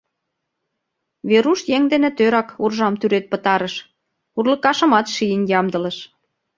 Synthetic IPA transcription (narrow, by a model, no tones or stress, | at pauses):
βeɾuʃjeŋd̪enĕt̪øɾɑkurʒɑmt̪yɾet̪̚pə̆t̪ɑɾəʃ | urlə̆kɑʃə̆mɑt̪ʃijənjɑmd̪ɤ̆lə̆ʃ